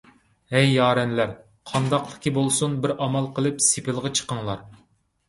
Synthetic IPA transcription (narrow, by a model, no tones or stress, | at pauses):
ɛjːɑːɾɛnlæɾ | qʰɑnd̪ɑqlˠəkʲʰibolˠsunbɪɾɑmɑlˠqʰəlˠɨpsɪpɪlˠʁɑt͡ʃʰə̥qəŋlˠɑɾ